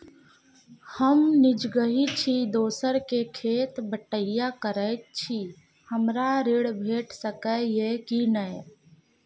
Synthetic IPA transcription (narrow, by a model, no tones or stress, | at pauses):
həmnɪd͡ʒɡəɦit͡ʃʰid̪oːsəɾkekʰeːt̪bəʈəɪjakəɾət͡ʃʰi | həmɾaɾeɽbʱeːʈsəkəjekinəj